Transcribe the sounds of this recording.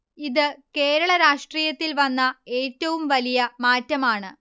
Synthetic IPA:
iðɨke̞ːɾɐɭɐɾaːʂʈriːjɐt̪ːilʋɐnːɐeːtːɐʋumʋɐlijɐmaːtːɐmaːɳɨ

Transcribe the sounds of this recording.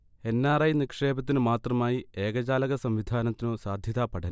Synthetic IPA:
e̞nːaːrɐjnikʂe̞ːbɐt̪̬ːinɨmaːt̪rɐmaːjie̞ːɣɐd͡ʑaːlɐɣɐsɐmʋid̪ʱaːnɐt̪ːino̞ːsaːd̪ʱjɐðaːpɐɽɐn

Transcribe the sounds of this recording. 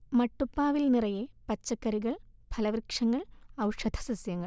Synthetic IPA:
mɐʈːupːaːʋilnirɐjepɐt͡ɕːɐkːɐɾiɣɐɭ | bʱɐlɐʋrkʂɐŋːɐɭɐwʂɐd̪ʱʰɐ̥sɐsjɐŋːɐɭ

